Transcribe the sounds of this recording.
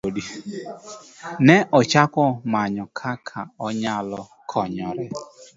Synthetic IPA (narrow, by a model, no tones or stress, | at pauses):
odi | neʔɔt͡ʃakʷɔmaɲɔkʰakʰaɔɲaalɔ | kʰɔɲɔɾɪ